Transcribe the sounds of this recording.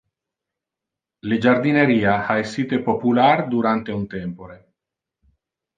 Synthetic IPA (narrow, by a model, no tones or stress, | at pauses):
led͡ʒard̪ineɾiːaaesːiːt̪epopulard̪uɾant̪eunt̪ɛmpoɾe